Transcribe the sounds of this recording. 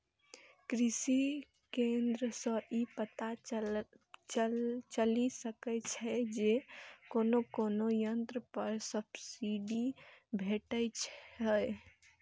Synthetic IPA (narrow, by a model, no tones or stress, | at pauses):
kɾisi | kend̪ɾəsə̃ipət̪a | t͡ʃt͡ʃəlisəkɛt͡ʃʰɛd͡ʒekonokonojənt̪ɾəpəɾsəbsiɖibʱeʈət͡ʃʰɦəj